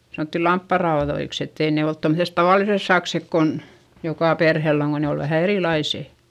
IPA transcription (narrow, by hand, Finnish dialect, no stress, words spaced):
sɑnoˑtːi lɑmpːɑrɑoðoiks etːei ne olt tomset tɑʋɑˑlises sɑksek kon jokɑˑ perhelː oŋ ko ne ol ʋæhæ eriˑlɑiseˑ